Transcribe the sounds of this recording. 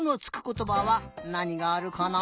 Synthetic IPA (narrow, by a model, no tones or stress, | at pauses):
not͡sɨ̥kɯ̥ko̞t̪o̞baβanaɲ̟iɡaːɾɯ̟kana